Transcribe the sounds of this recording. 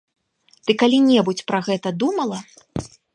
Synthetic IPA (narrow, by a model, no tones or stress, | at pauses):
d̪̥ɨkalʲinʲɛbut͡sʲpɾɐɣɛt̪ɐd̪umɐlˠɐ